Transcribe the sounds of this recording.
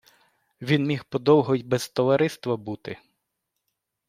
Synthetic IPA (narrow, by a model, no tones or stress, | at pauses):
ʋʲinmʲixpɔd̪ɔwɦɔjʲbɛzt̪ɔʋɐɾɪst̪ʋɐbut̪ɪ